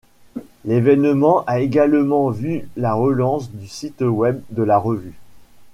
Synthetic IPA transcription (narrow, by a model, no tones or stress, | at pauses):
levɛnmɑ̃ʔaeɡalmɑ̃vylaʁəlɑ̃sd̪ysit̪wɛb̚d̪əlaʁəvy